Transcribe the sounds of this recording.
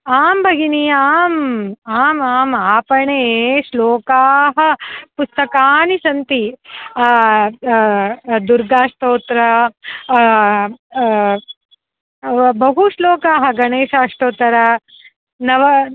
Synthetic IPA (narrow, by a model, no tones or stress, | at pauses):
aːmbʱɐɡiniaːmaːmaːmaːpɐɳeːʂloːkaːɦɐ̆pust̪ɐkaːnisɐnt̪i | d̪uɾɡaːʂt̪oːt̪ɾɐ | bɐɦuʂloːkaːɦɐ̆ɡɐɳeːʃaːʂʈoːt̪ːɐɾɐ | nɐʋɐ